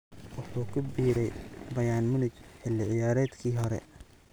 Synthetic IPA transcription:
wɑħuːkʰʊbiːɾɛjbɐjaːnmʊnɪt͡ʃħɪlːɪʕɪjaːɾɛːd̪kʰiːɦɔɾɛ̰

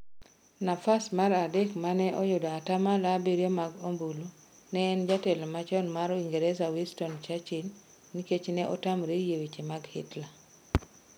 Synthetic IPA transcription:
nafasmaɾadɛkmanɛʔɔjodaatamalabeɾjemaɡombulo | nɛːnd͡ʒatɛlmat͡ʃɔnmaɾoiŋɡeɾɛsawistɔnt͡ʃat͡ʃinː | iket͡ʃnɛʔɔtamɾejewit͡ʃemaɡhḭtla

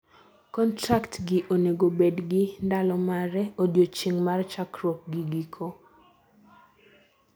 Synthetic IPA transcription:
kɔntɾaktɡɪʔoneɡobedɡɪndalɔmaɾɛodjot͡ʃiŋmart͡ʃakɾɔp̚ɡiɡikʰo

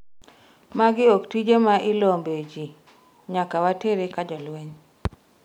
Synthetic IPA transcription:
maɡɪoktid͡ʒemaʔɪlombed͡ʒi | ɲakawateɾekad͡ʒɔlwɛɲ

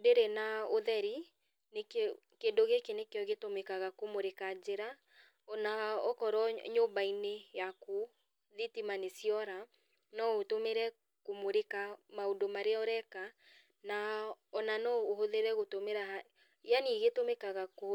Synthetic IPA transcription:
deɾenaoðɛɾi | nek | kedoɣekenekeɔɣetomekaɣakomoɾekad͡ʒeɾa | ɔnaɔkɔɾɔɲobainejako | ðitimanesiɔɾa | nɔotomeɾɛ | komoɾekamaodomaɾeɔɾɛka | naɔnanɔoɦoðeɾɛɣotomeɾa | janiɣetomekaɣako

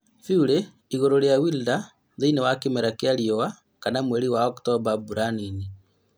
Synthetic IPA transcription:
fiuɾe | iɣoɾoɾjawilda | ðeinewakemeɾakeaɾiɔwa | kanamweɾiwaɔktɔβabuɾanini

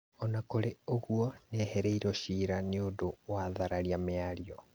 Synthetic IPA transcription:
ɔnakoɾeoɣuɔnɛhɛɾeiɾɔɕiːɾaneodowaðaɾaɾiameaɾiɔ

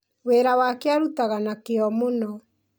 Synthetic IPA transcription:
weːɾawakeaɾutaɣanakeɔmonɔ

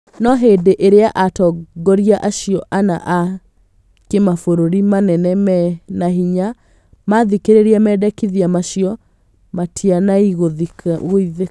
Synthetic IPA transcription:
nɔɦedeʔeɾeaʔatɔɡɔɾiaʔaɕiɔʔana̰ʔa | kemafoɾoɾimanɛnɛɛnaɦiɲa | maðikeɾeɾiamɛːdɛkiðiamaʃiɔ | matʰianaiɣoðiɣoiðe

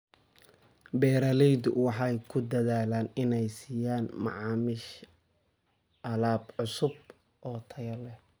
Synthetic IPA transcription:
bɛːɾɐlɛjd̪ʊ̰wɑħɑjkʰʊd̪ɐðaːlaːnɪnɛjsiːjaːnmɑ̰ʕɑːmɪʃ | ʔɐlaːbʕʊsʊb | ʔɔːt̪ʰɐɣɐlɛ

